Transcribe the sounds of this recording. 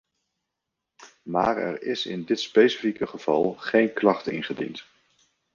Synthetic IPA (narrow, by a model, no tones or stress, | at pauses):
ma̰ːɹɛ̰ɹɪsɪ̰ndɪtspejsifikəχəv̥ɑlˠχejnklɑχtɪ̰nχədḭnt